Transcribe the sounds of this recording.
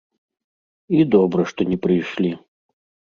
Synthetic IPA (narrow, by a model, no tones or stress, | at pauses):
id̪ɔbɾɐʂt̪ɔnʲɛpɾɨjʂlʲi